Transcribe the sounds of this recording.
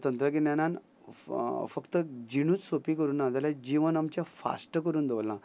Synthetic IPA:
t̪ənt̪ɾəɡinanãn | fəkt̪əd͡ʑiɽ̃uːt͡ssopikəɾuːnːad͡z̪alãd͡ʑiʋənamt͡ɕjafa̰sʈəkəɾuːnd̪oʋlã

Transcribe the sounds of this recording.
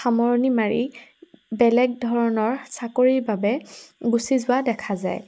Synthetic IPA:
xamɔɹnimaɹḭ | bɛlɛɡ̚dʱɔɹɔnɔɹsakoɹiɹbabɛɡusizʊwadɛkʰazaj

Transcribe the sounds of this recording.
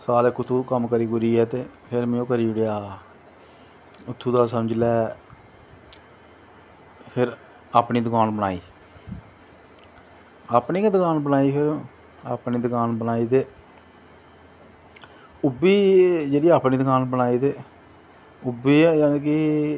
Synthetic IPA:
saːlɪkːʊt̪ʰːuːkəmkəɾiːkʊɾiːɛːt̪eːpʰɪɾmɛ̃ːõːkəɾiːɪɽejaː | ʊt̪ʰːuːd̪aːsəməd͡ʒlɛː | pʰɪɾ | aːpniːd̪ʊkaːnbəna̰ːiː | aːpniːkd̪əkaːnbənaːiːpʰɪɾ | aːpniːd̪ʊkaːnbənaːiːd̪eː | ʊbiːd͡ʒeːɽiːaːpniːd̪ʊkaːnbənaːiːd̪eː | ʊbiːjaːneːkɪ

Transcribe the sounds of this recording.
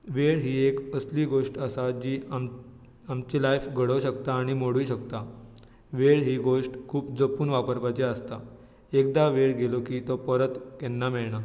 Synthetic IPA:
ʋeɽɦiːekəsliːɡoʂʈəsad͡ʑiːa | amt͡ɕelajfɡʱəɽəʋɕəkt̪aːɽ̃imoɽuɕəkt̪a | ʋeɽɦiːɡoʂʈkʰuːpd͡zəpuːnʋapəɾpat͡ɕeast̪a | ek̚d̪aʋeɽɡelokiːt̪ɔpəɾət̪kɛnːamɛɭɳa

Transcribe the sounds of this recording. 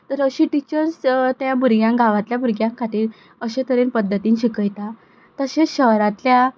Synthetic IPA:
t̪əɾəɕiʈit͡ɕəɾst̪jãbuɾɡjãŋɡʱaʋãt̪ljabʱuɾɡjãŋkʰaʈ̪iːɾ | əɕẽt̪ʰəɾenpəd̪ʱːət̪iːnɕikəjt̪a | t̪əɕeɕəɦɾat̪lja

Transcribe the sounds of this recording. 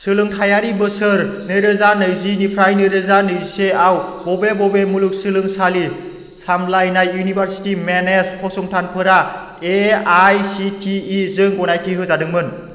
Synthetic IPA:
sɯlɯŋtʰajaɾibɯsɯɾnɯɾɯzanɯjzinipʰɾajnɯɾɯzanɯziseawbɔbebɔbemuluk̚sɯlɯŋsali | samlajnajunibʱaɾsi̥timenespʰɔsɔŋtʰanpʰɯɾa | eajsitʰiːzɯŋɡɔnajtʰiɦɯzadɯŋmɯn

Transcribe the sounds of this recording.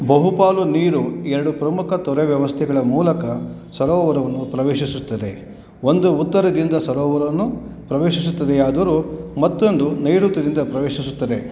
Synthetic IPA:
bɐɦupaːluniːɾuɛɾɐɽupɾɐmukʰɐt̪ɔɾeʋjɐʋɐst̪ʰɛɡɐɭɐmuːlɐkɐ | sɐɾɔːʋɐɾɐʋɐnːupɾɐʋeːʃisut̪ːɐd̪e̞ | ond̪uːt̪ːɐɾɐd̪ind̪ɐsɐɾɔːʋɐɾɐɐnːupɾɐʋeːʃisut̪ːɐd̪eaːd̪ɐɐɾumɐt̪ːo̞nd̪unɐjɾut̪ːɐd̪ind̪ɐpɾɐʋeːʃisut̪ːɐd̪e̞

